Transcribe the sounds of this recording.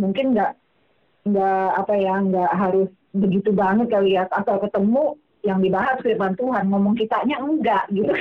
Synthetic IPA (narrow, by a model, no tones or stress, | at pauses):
muŋkɪnŋɡaʔ | əŋɡaʔapajaəŋɡaʔɦaɾʊs | bəɡit̪ubaŋət̪̚kalijaat̪awkət̪əmu | jaŋdibaɦak̪̚kɾipant̪uɦanmomɔŋkit̪aʔɲaəŋɡaʔɡit̪uk